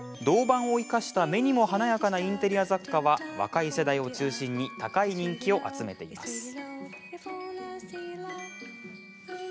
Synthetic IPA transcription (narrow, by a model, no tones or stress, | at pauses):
d̪o̞ːbãɰ̃o̞ikaɕi̥t̪ame̞ɲ̟imo̞ɦanajakanaĩnt̪e̞ɾʲijazakːaβaβa̰kaise̞d̪aio̞t͡ɕɨːɕĩɲ̟ːit̪akaiɲ̟ĩŋkʲio̞ʔa̰t͡sɨme̞t̪e̞ḭma̰sɨ̥